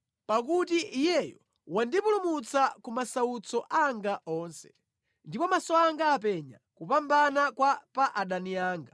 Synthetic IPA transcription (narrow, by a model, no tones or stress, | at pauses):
pak̬utiʔijɛjɔ | wandipulumut͡sakumasaut͡sɔʔaŋɡaʔɔːnsɛ̥̰ | ndipɔmasɔaŋɡaːpɛɲa̰kupambanakwapaʔaɗaniaːŋɡa